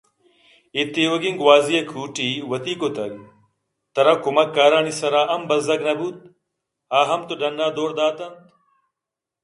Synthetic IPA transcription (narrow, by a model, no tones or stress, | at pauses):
it̪ːiwoɡiŋɡwaːziekʰuːʈiwɐt̪iːkot̪ɐɡ | t̪ɐɾɐkumɐkːaːɾaːnisɐɾaːʔɐmbɐzd̪ɐɡnɐbuːt̪̚ | aːɦɐmt̪uɖɐnːaːd̪oːɾd̪aːt̪ɐnt̪